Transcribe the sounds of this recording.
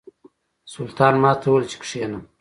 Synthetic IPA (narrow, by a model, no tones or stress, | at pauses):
sʊlt̪ʰɑːnmɑːt̪ʰoːlt͡ʃʰi̥kʂeːnəm